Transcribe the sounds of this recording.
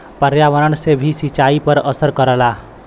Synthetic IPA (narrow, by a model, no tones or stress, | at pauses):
pəɾjaʋəɾəɳsebʱisit͡ʃaipəɾəsəɾkəɾəla